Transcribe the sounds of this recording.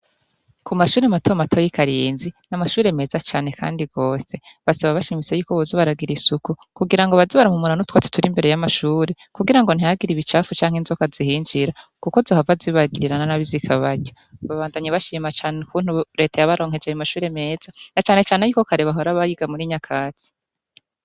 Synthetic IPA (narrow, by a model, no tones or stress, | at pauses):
kʰumaʃuːɾematʰomatʰo̞jikaɾiːnzinamaʃuːɾe̞me̞ːzat͡ʃaːne̞kʰa̰ːndiɡ̥o̞ːse̞βasaβaβaʃiːmit͡se̞juːkoβozoβaɾaɡiɾisukukuɡiɾaŋɡoβaziβaɾamumuɾanutwaːt͡se̥tuɾimbe̞ɾejamaʃuːɾe | kuɡiɾaŋɡo̞n̥hijaɡiɾiβit͡ʃaːfut͡ʃaːŋhenzokazihiːɲd͡ʒiɾakuko̞zohavaziβaɡiɾiɾananaβizikʰaβaɟo | βaβaːndaɲiβaʃiːmat͡ʃaːnukuːn̥huɾe̞ːtajaβaɾo̞ːŋ̥he̞d͡ʒejamaʃuːɾe̞me̞ːz̥anat͡ʃaːne̞t͡ʃaːnejuːkokaɾeβaɦoɾaβajiɡ̥amuɾiɲakʰaːt͡si̥